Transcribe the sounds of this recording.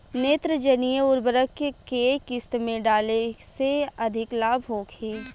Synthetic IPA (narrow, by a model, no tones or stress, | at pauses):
neːt̪ɾəd͡ʒənijəʊɾbəɾəkkekɪst̪mẽɖaːleseɐd̪ʱɪklaːbʱɦoːkʰeː